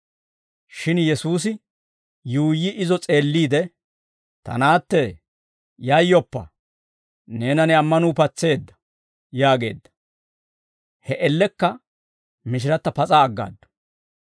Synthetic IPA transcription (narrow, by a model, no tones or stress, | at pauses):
ʃɪnjɛsuːs̬ɪ | juːjːɪʔɪzɔt͡sʼe̞ːlːiːd̪ɛ | t̪ɐ̰naːt̪ːɛ | jɐjːɔpːɐ̰ | ne̞ːnɐnɛɐmːɐnuːpɐt͡sːe̞ːd̪ːɐ̥ | jaːɡe̞̰ːd̪ːɐ̥ | hɛʔɛlːɛkːɐ | mɪʃ̬ɪɾɐt̪ːɐpɐt͡sʼaːɡːa̰ːd̪ːɔ̥